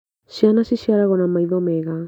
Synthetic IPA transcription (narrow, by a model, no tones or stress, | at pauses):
sianasisiaɾaɣonamajðomeɡa